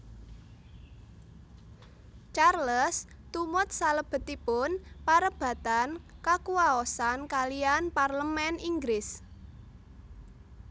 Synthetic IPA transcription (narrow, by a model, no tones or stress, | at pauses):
t͡ʃarləs | t̪umʊt̪̚saləb̥ə̤t̪ipʊnpaɾəb̥ä̤t̪ankakuaɔsankalianparləmɛniŋɡɾɪs